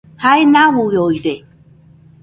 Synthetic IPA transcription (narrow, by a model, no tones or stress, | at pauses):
haenawujojɾe